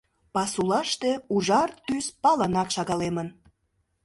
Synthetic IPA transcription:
pɑsulɑʃt̪euʒɑrt̪yspɑlənɑkʃɑɣɑlemən

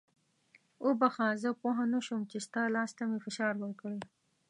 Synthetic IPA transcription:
obaxɑ̃zəpoɦanəʃumt͡ʃest̪ɑlɑst̪amefɪʃɑɾwəɾkɽe

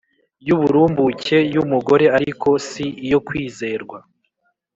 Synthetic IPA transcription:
juβuɾuːmbuce̞jumuɡo̞ɾe̞aɾikʰo̞siijo̞kwiːze̞ːɾɡwa

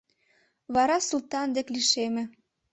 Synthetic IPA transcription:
βɑɾɑsult̪ɑnd̪ekliʃemĕ

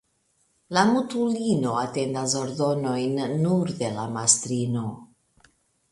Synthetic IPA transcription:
lamutulino̞ate̞ndas̬oɾdo̞no̞jnːuɾde̞lamast̪ɾino̞

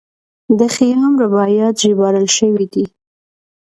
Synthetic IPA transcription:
d̪əxijaamɾabɑjɑt̪ʒibɑɾəlʃəwid̪i

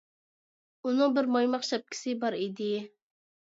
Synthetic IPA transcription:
unɨŋbɪɾmɑjmɑχʃɑp̚kʲʰɪ̥sɪbɑɾid̪ɪ

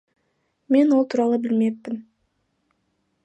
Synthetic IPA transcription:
me̞nwo̞lˠt̪ʰuːɾɑlˠəbɪlme̞pːɪn

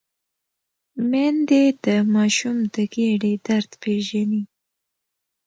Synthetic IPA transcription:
mend̪ed̪̥əmɑʃumd̪əɡeɽed̪aɾd̪peʒani

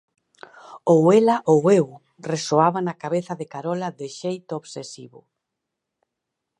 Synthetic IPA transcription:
owelaʔowew | resoaβanakaβeθɐðɪkaɾɔlɐðɪʃejt̪ʊoβsesḭβʊ̰

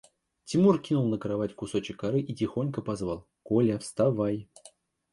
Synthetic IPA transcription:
tʲɪmurkʲinʊlˠnəkɾɐvatʲkʊso̞t͡ɕɪkːɐɾɨʔitʲɪxo̞nʲkəpɐzvalˠ | kolʲafst̪avaj

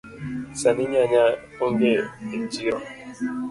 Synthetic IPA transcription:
saniɲaɲa | oŋɡeed͡ʒiɾɔ

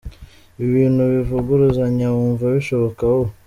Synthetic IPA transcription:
iβiːnhuβivuɡuɾuzaɲauːɱvaβiʃo̞βokaho

